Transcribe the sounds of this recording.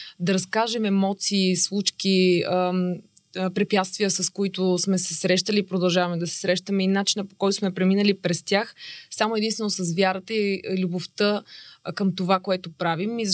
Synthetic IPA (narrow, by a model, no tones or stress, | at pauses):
d̪ɐɾɐskaʒɛmɛmɔt̪siːslˠut͡ʃki | pɾipjat̪st̪vijəsɐskoit̪ʊsmɛsɛsɾɛʃt̪əliːpɾod̪ɐlˠʒavɐmɛd̪ɐsɛ̥sɾɛʃt̪əmɛinat͡ʃinəpo̥kɔjt̪ʊ̥smɛpɾɛminəlipɾɛst̪ʲjaxsamoɛd̪int̪vɛnosɐsvjaɾət̪əilʲuboft̪əkəmt̪ovakoɛt̪opɾavimːi